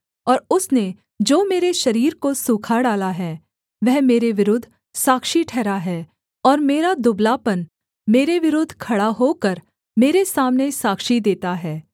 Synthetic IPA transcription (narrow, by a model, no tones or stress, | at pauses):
ɔːɾʊsne | d͡ʒoːmeːɾeʃɐɾiːɾkosuːkʰaɖaːlaɦɛː | ʋɛɦmeːɾeʋɪɾʊd̪ʱː | saːkʃiʈʰɛːɾaɦɛː | ɔːɾmeːɾad̪ʊblaːpən | meːɾeʋɪɾoːd̪ʱkʰɐɽaɦokɐɾ | meːɾesaːmnesaːkʃid̪eːt̪aɦɛː